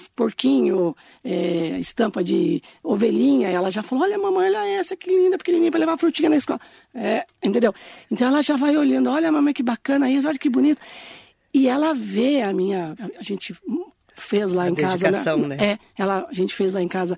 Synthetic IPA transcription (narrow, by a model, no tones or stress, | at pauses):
poɾkĩɲʊ | ɛɪst̪ɐ̃mpɐd͡ʒɪoveʎĩɲɐɛlɐʒafalooʎɐmɐ̃mɐ̃ɛlɐɛsɐkɪlĩnd̪ɐpoɾkenĩɡĩpɾɐlevafɾut͡ʃĩɲɐnɐiskɔlɐ | ɛẽt̪ẽd̪ewẽnt̪ɐ̃w̃ɛlɐʒavajolɐ̃nd̪ʊɔʎɐmɐ̃mɐ̃jkɪbakɐ̃nɐisɔʎɐkɪbunit̪ʊ̥ | ɪɛlɐveɐmĩɲɐaʒẽnt͡ʃɪ | fezlaẽkazɐnɛɐ̃nɛɛ | ɛlɐaʒẽnt͡ʃɪ̥fezlaẽkazɐ